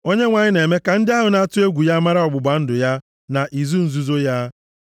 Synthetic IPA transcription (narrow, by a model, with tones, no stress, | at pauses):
o˦ɲe˦ŋʷa˨ɲɪ˦ne˨me˦ka˨n̩˦dɪ˦a˦ɦʊ˨na˦tʊ˦e˦ɡʷu˨ja˦ma˦ɾa˦ɔ˨bʊ˨ɡ͡ba˨˦n̩˦dʊ˨ja˦ | na˨ʔi˨zu˦n̩˨zu˨zo˦ja˦